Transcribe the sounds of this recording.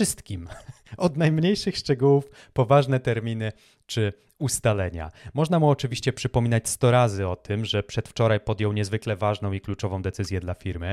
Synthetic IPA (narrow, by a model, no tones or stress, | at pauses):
ɘst̪kʲim | ɔd̪najmɲejʂɘxʂt͡ʂɛɡuwuf | pɔvaʐnɛt̪ɛɾmʲinɘ | t͡ʂɘ | ust̪alɛɲa̰mɔʐnamuɔt͡ʂɘvʲiɕt͡ɕɛpʂɘpɔmʲinat͡ɕst̪ɔɾazɘɔt̪ʰɘmʐɛpʂɛt̪ft͡ʂɔɾajpɔd̪jɔwɲɛzvɘklɛvaʐnɔ̃w̃iklut͡ʂɔvɔ̃w̃d̪ɛt̪sɘzʲjɛd̪lafʲiɾmɘ